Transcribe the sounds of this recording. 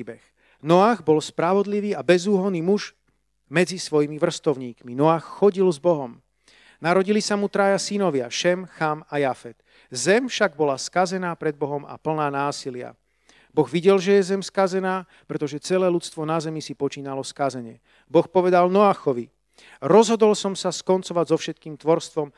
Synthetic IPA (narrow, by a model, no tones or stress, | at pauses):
bɛx | nɔaːɣbɔlspɾaʋɔd̪liʋiːabɛzuːɦɔniːmuʒ | mɛd͡zisʋɔjimiʋr̩st̪ɔʊɲiːkminɔaːxːɔɟilzbɔɦɔm | naɾɔɟilisamut̪ɾajasinɔʋɪa̰ʃɛmxamajafɛt̪ | zɛmfʃaɡ̚bɔlaskazɛnaːpɾɛd̪̚bɔɦɔma̰pl̩naːnaːsilɪa̰ | bɔɣʋiɟɛlʒɛjɛzɛmskazɛnaː | pɾɛt̪ɔʒɛt͡sɛlɛːlut͡st̪ʋɔnazɛmisipɔt͡ʃiːnalɔskazɛɲɛ | bɔxpɔʋɛd̪alnɔaːxɔʋi | ɾɔzɦɔd̪ɔlsɔmsaskɔnt͡sɔʋaɟzɔfʃɛt̪̚kiːmt̪ʋɔɾst̪ʋɔm